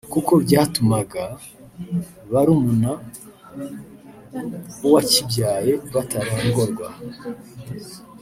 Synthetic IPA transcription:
kuko̞bjaːtumaɡa | βaɾumuna | uwacibɟaːje̞βataɾaːŋɡo̞ɾɡwa

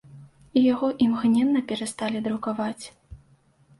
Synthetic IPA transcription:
ijaɣɔʔimɣnʲɛnːɐpʲɛɾast̪alʲid̪ɾukavat͡sʲ

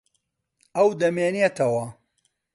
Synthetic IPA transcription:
ɐwd̪ɐmeːnjet̪ʰɐwɐ

